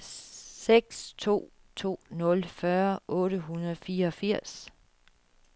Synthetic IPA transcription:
seɡ̥st͡sʰo̝̰ː | t͡sʰo̝̰ːnɔ̽lfɶɐʔɔ̽ːɾəɦunɐðˠfiːɐɒfiɐ̰s

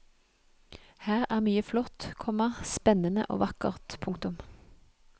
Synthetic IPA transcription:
hæːʁæːʁmyːəflɔt̪kʰɔməspɛnənə̰ʔo̰ːʋɑkə̰ʁt̪pʰʊŋkt̪ʊm

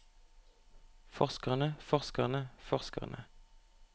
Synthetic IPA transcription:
fɔʁskəʁnəfɔʁskəʁnəfɔʁskə̰ʁnʔə

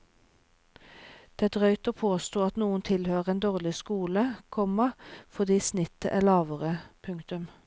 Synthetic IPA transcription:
d̪̥eːd̪ʁœʏt̪oːpʰoːst̪oːɑt̪nuːənt̪ʰɪlhøːʁəeːnd̪oːʁlɪskuːləkʰɔməfɔʁd̪iːsnɪt̪ə̰ʔæːʁlɑːʋəʁəpʰʉŋkt̪ʉm

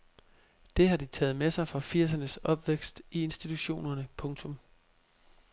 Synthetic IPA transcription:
d̥e̝ɦɑ̈d̥it͡sʰɛ̰ːð̩ˠmesɑ̈ɪfɒfiɐ̰s̬ɐnəsɒ̽b̥ʋeɡ̥sd̥ie̝nsd̥it͡sʰuɕo̝̰ːnɐnəpʰɔ̽ŋt͡sʰɔ̽m

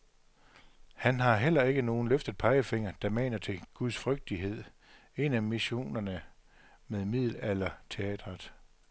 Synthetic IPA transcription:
hænɦɑ̈ɦel̰ɐe̝ɡ̥əno̝ːn̩løfd̥ð̩ˠpʰɑ̈ɪəfe̝ŋ̰ɐd̥ɑ̈mɛ̰ːnɐt͡sʰe̝ɡ̥uðˠsfʁœɡ̥̚d̥iɦe̝ð̰ˠ | e̝næmiɕo̝̰ːnɐnə | meðˠmið̰ˠl̩ælɐt͡sʰe̝ɛ̰ːd̥ʁɑd̥ˠ

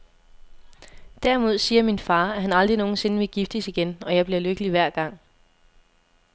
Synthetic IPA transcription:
d̥æɐ̰imo̝ð̞̰ˠsiːɐminfɑ̈ːæɦænɑ̈ld̥ʁino̝ːn̩se̝nəʋe̝ɡ̥ifd̥əsiɡ̥enɒ̽jɑ̈ɪb̥liɐløɡ̥əliʋæɐ̰ɡ̥ɑ̈ŋ̰

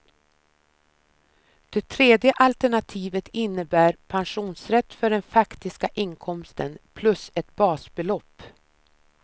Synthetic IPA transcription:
d̪̥ɛt̪ʰɾeːd̪jəʔalt̪æɳat̪ʰiːvət̪ɪnːəbæːɾpʰanɧuːnsɾɛt̪ːfœɖɛnfakt̪ɪskaʔɪŋkʰɔmst̪ənpʰlɵsɛt̪̚b̥ɑːsbɛlɔpː

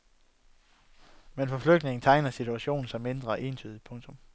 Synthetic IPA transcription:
menfɒ̽fløɡ̥̚dne̝ŋn̩t͡sʰɑ̈ɪnɐsit͡sʰuæɕo̝̰ːn̩sɑ̈ɪme̝nd̥ʁɐæʔe̝ːnt͡sʰy̰ːðˠipʰɔ̽ŋt͡sʰɔ̽m

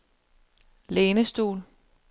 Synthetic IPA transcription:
leːnəsd̥o̝̰ːl

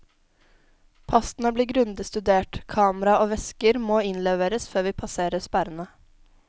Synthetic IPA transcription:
pʰɑst̪n̩əbliːɡɾʉnd̪əst̪ʉd̪eːʈkʰɑːməɾɑoːʋɛskəɾmoːɪnleːʋeːɾəsføːɾʋiːpʰɑseːɾəspæɾənə

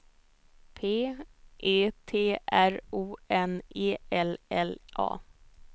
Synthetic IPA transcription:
pʰeːʔeːt̪ʰeːʔæɾuːɛneːɛlɛlʔɑ̰ː

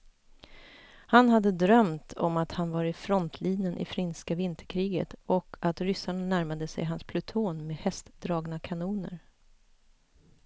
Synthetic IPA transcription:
hanɦad̪ːəd̪ɾœmt̪ʰɔmat̪hanvaɾɪfɾɔnt̪ʰliːnjənʔɪ̰fɾɪnskavɪnt̪ʰəɾkʰɾiːɡə̰t̪ɔkʰat̪ɾʏsaɳanæɾmad̪əsɛ̰jɦanspʰlɵt̪ʰoːnmeːdhɛst̪d̪ɾɑːɡnakʰanuːnə̰ɾ

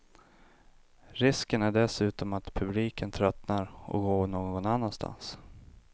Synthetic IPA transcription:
ɾɪskənæɖɛsʉ̟ːt̪ɔmat̪pʰɵbliːkənt̪ʰɾœt̪naɾʔɔ̰ɡoːɳoːɡɔɡɔnanːanst̪ʰa̰ns

